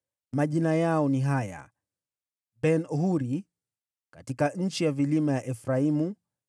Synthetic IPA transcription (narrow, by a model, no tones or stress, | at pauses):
maʄinajaɔniɦaja̰ | bɛnɔɦuɾi | katikaɲ̩t͡ʃijavilimajaʔɛfɾaimu